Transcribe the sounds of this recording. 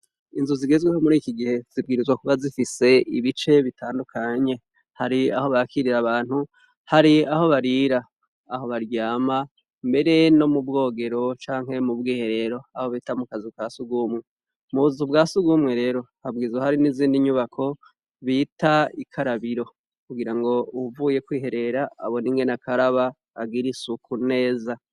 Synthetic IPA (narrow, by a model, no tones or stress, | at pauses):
inzuziɡe̞zweho̞muɾiːkiɡihe̞z̥ib̚ɡiːɾizwakuβazifise̞iβit͡ʃe̞βitʰaːndukʰaɲe̞ | haɾia̰ho̞βakiɾiɾaβaːnhu | haɾiaho̞βaɾiːɾaː | ɦo̞βaɾjaːma | mbe̞ɾe̞no̞mubɡo̞ːɡe̞ɾo̞t͡ʃaːŋɦe̞mubɡiːhe̞ɾe̞ːɾo̞aho̞βiːtamukazukaːsuɡumŋe̞ | muzubɡaːsuɡumŋe̞ɾe̞ːɾo̞habɡiːzahaɾiniziːndiɲuβakʰo̞ | βiːtaikʰaɾaβiɾo̞ | kuɡiɾaŋɡo̞uvuːje̞kwiːɦe̞ɾe̞ɾa̰ːβo̞niːŋɡe̞nakʰaɾaβaː | ɡiɾisukʰune̞ːza